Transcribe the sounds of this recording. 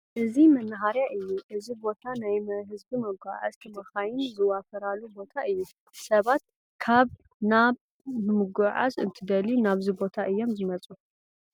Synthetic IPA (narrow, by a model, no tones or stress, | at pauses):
ʔɨzimɐnːɨɦaɾjaʔɨjːuʔɨzibo̞t̪ʰanajmɐɦɨzbimɐɡʷa̰ʕa̰zt̪ʰɨmɐxajɪnzɨwafɐɾalːubo̞t̪ʰaʔɨjːu | sɐβat̪̚ | kʰaβ | naβ | mɨmɨɡʷaʕa̰zɨnt̪ʰɨd̪ɐlinaβzibo̞t̪ʰaʔɨjːo̞mzɨmɐt͡sʼu